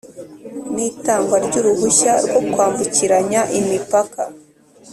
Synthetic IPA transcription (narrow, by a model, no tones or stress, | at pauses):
niːtaːŋɡwaɾɟuːɾuɦuçaɾɡo̞kwaːɱvuciɾaɲaʔimipakʰa